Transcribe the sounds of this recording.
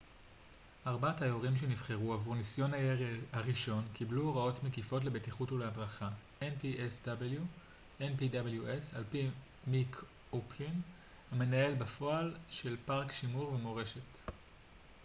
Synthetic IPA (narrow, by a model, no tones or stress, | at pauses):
ʔaʁbathajoʁimʃ̬enivχeʁuavuʁnisjo̞nahaʁiʃo̞nkibluʁao̞tmekifo̞t̬le̞betiχutulehadʁaχa | enpiʔesd̥abelju | ʔenpidabeljuʔesalpi | mikʰ | oplin | hame̞nae̞lbafo̞alʃe̞lpaʁkʃimuʁvemo̞ʁe̞ʃe̞t